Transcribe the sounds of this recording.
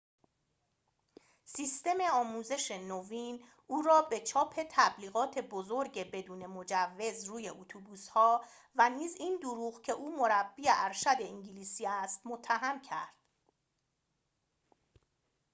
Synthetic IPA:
siːst̪e̞me̞ɒːmuːze̞ʃe̞noviːn | ʔuːɾɒːbe̞t͡ʃʰɒːpʰe̞t̪ʰæbliːɣɒːt̪ʰe̞bozoɾɟebe̞d̪uːne̞mo̞d͡ʒævːe̞zruːje̞ʔot̪ʰubuːshɒː | væniːzind̪uɾuːɣcʰe̞ʔuːmo̞ɾæbːiːeʔæɾʃæd̪e̞iŋɟiliːsiːæst̪mot̪ʰːæɦæmcʰæ̰ɾd̪̥

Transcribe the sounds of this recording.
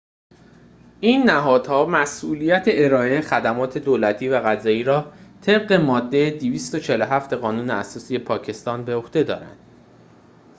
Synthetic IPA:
ʔiːnːæɦɒːd̪̥hɒːmæsʔuːlijæt̪ʰeeɾɒːʔexæd̪æmɒːt̪ʰe̞d̪oːlæt̪ʰiːvæɣæzɒːjiːɾɒːt̪ʰe̞b̚ɢe̞mɒːd̪ːejed̪iviːst̪ot͡ʃʰe̞loɦæft̪e̞ɣɒːnuːneæsɒːsiːepʰɒːcʰe̞st̪ɒːnbe̞oht̪e̞d̪ɒ̰ːɾæ̰nd̪̥

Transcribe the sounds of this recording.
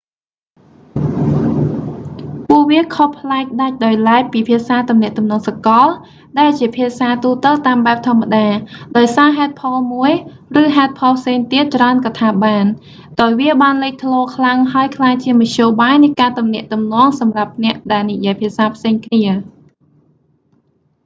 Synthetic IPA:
puəʔʋiəkʰohpʰlaɛk̚ɗac̚ɗaɔjlaɛk̚piːpʰiəsaːt̪umnɛ̆əʔt̪umnɔːŋsakɑl | ɗaɛlt͡ɕiəpʰiəsaːt̪uːt̪əlt̪aːmɓaɛp̚t̪ʰŏəmːaɗaːɗaɔjsaːɦaɛt̪̚pʰɑlmuəj | rɨːɦaɛt̪̚pʰɑlpʰseːŋt̪iət̪̚t͡ɕraənkɑt̪ʰaːɓaːn | ɗaɔjʋiəɓaːnleːk̚t̪ʰlɔːkʰlaŋɦaəjkʰlaːjt͡ɕiəmɑc̚ʰɕoːɓaːjnɨjkaːt̪umnɛ̆əʔt̪umnɔ̆əŋsɑmrap̚nɛ̆əʔɗaɛlnijiəjpʰiəsaːpʰseːŋkʰniə

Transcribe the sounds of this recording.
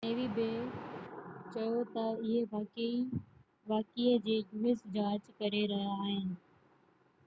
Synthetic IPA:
neːʋibeː | t͡ɕɐjot̪ɐɪɦeʋa | ʋaːkiəd͡ʑeːmɪsd͡ʑaːd͡ʑkɐɾeɾɐɦaːɦɪnɪ̆

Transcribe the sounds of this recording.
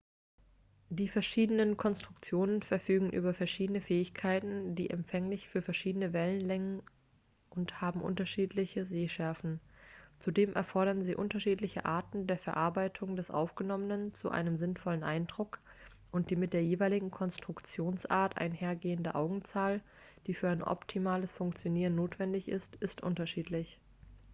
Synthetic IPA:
d̥iːfɛɐʃiːdənənkʰɔnstʁ̥ʊkt͡sjoːnənfɛɐfyːɡŋ̩ʔy̰ːbɐfɛɐʃiːdənəfɛːɪçkʰaɪtn̩dḭːʔɛ̰mpfɛŋlɪçfyːɐfɛɐʃiːdənəvɛlənlɛŋən | ʔʊnthaːbm̩ʔʊ̰ntɐʃiːtʰlɪçəzeːʃɛɐfn̩t͡sudeːmʔɛ̰ɐfɔɐɾɐnziːʔʊntɐʃiːtlɪçə̰ʔa̰ːɐtn̩deːɐfɛɐʔaɐbaɪtʰʊŋdɛsʔa̰ʊfɡ̥ənɔmənənt͡sṵʔa̰ɪnəmzɪnfɔlənʔa̰ɪndʁʊk | ʔʊnt̚d̥iːmɪt̚d̥eːɐjeːvaɪlɪɡŋ̩kʰɔnstʁ̥ʊkt͡sjoːnsʔaːɐtʔa̰ɪnheːɐɡeːəndəʔaʊɡŋ̩t͡saːl | d̥iːfyːɐaɪnʔɔ̰ptʰimaːləsfʊŋkt͡sjoniːʁənːoːtv̥ɛndɪçʔɪ̰stʔɪstʔʊ̰ntɐʃiːtʰlɪç

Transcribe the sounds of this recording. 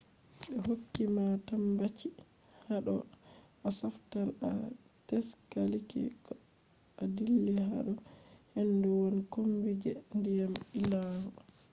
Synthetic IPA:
ɓɛhokːimatambat͡ʃi | haɗɔ̰ | asaftana | tɛskalikḭ | adilːɛɦa̰ɗɔhɛnːduwonikombid͡ʒɛndijamilahɔ

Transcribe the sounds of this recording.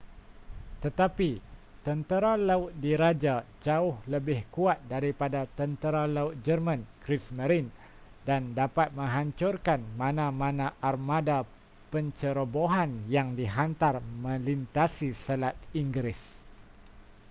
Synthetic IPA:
t̪ət̪apit̪ənt̪əɾalaʊt̪̚diɾad͡ʒad͡ʒaʊhləbɪhkuat̪̚daɾipadat̪ənt̪əɾalaʊt̪̚d͡ʒərmãnkɾismə̃ɾin | dandapat̪̚mə̃ŋɦaɲt͡ʃʊrkanmãnãmãnãʔarmãda | pəɲt͡ʃəɾoboɦanjaŋdiɦant̪armə̃lint̪asisəlat̪̚iŋɡɾɪs

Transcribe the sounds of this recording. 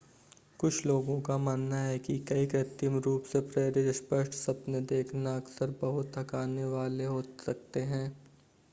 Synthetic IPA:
kʊt͡ʃʰloːɡõkamaːnːaɦɛkikɐikɾɪt̪jəmɾuːpsepɾeːɾiɾɪspəʃʈsɐpned̪eːkʰnaɐksəɾbɐɦʊt̪ɦɐkaːneʋaːleɦoːsɐk̚t̪eɦɛ̃ː

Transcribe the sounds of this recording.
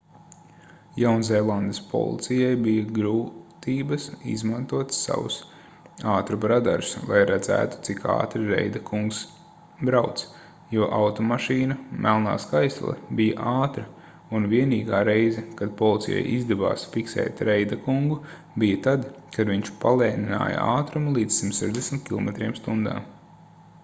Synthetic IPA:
jawnzɛjlˠand̪əspʰɔ̰lˠḭt̪sijajbijɐɡɾuːt̪iːbɐsḭzmant̪uɔt̪sːa̰vṵs | aːt̪ɾubɾad̪a̰ɾslˠa̰jɾad̪zæ̰ːt̪u̥t̪sika̰ːt̪ɾiɾɛ̰jd̪ɐkʰuŋks | bɾawt̪s | juɔʔawt̪ɔmaʃiːnɐmʔælˠna̰ːskajslˠɛ̰bijəʔaːt̪ɾɐ | unviɛniːɡaːɾejzɛkad̪̚pɔlˠit̪sija̰jʔizd̪ɛva̰ːsfiksɛ̰ːt̪ɾɛjd̪akuŋɡu | bijət̪ad̪kad̪viɲt͡ʃpalˠɛːnina̰ːjə̰a̰ːt̪ɾumlˠiːd̪zsimt̪sɛʒd̪esmit̪̚kʲilˠɔ̰mɛt̪ɾiɛmst̪und̪a̰ː

